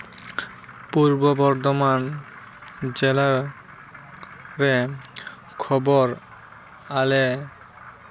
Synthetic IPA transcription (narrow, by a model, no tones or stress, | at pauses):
puɾbobɔɾd̪oman | d͡ʑela | ɾe | kʰɔboɾ | ale